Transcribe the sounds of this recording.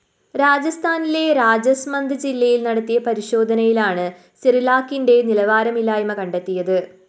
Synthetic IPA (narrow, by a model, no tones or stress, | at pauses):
ɾaːd͡ʑɐst̪ʰaːnile̞ɾaːd͡ʑɐsmɐnd̪ʱɨd͡ʑilːɐjilnɐɽɐt̪ːijɐpɐɾiɕo̞ːd̪ʱɐnɐjilaːɳɨ | sirilaːkːinde̞nilɐʋaːɾɐmilːaːjɐmɐkɐɳɖet̪ːijɐðɨ